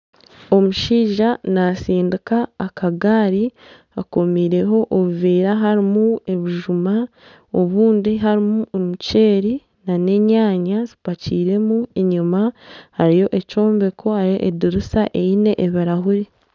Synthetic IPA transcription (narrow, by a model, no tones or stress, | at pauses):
o̞muʃiːʒanasiːndikaːkʰaɡaːɾi | ako̞miːɾe̞ɦo̞ʔoβuviːɾaɦaɾimue̞βiʒuma | o̞βuːndiɦaɾimuomuce̞ːɾi | nane̞ɲaːɲazi̥paciːɾe̞mueɲumahaɾijo̞ʔe̞co̞ːmbe̞kʰo̞haɾijo̞̰ʔediɾusaʔe̞jine̞ʔːβiɾahuɾi